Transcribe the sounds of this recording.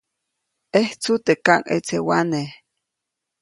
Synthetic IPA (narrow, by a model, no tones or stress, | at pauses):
eht͡sut̪ekaŋʔḛt͡sewaneh